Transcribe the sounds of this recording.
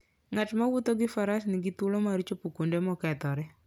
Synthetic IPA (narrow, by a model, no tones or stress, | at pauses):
ŋatmawʊt̪oɡɪfaɾasnɪɡit̪ulomaɾit͡ʃopukundemɔkɛt̪ɔɾɛ